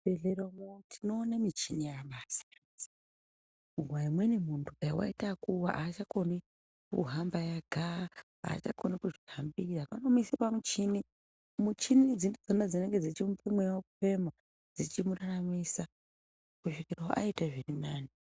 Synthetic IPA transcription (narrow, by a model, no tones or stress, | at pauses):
eɮeɾamotʰino̞ːnamit͡ʃinijaɓaːsḁ | uɡwaimwenemuntʰukaiwa̰itakuwaʔaːt͡ʃakoni | kṵɦambajaɡʱa | a̰ːt͡ʃa̰konikuʐiɦambirapanomuisipamut͡ʃini | mut͡ʃinid͡zindid͡zonad͡zineŋɡe̞d͡zit͡ʃimupemwewakupe̞ma | d͡zit͡ʃimuraramisa | kuʃikiraʔa̰itaʐirinaːni